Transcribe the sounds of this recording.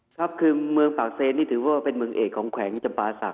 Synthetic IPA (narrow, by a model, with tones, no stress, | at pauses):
kʰa˦˥p̚kʰɯː˧mɯ˧əŋpaː˨˩k̚seː˧˩nːiː˥˩t̪ʰɯː˩˦wɔː˧˥˩wa˥˩pe˧nmɯ˧əŋʔeː˨˩kʰːɔː˩˦ŋkʰwɛː˩˦ŋ˧t͡ɕa˧mpaː˧sa̰˨˩k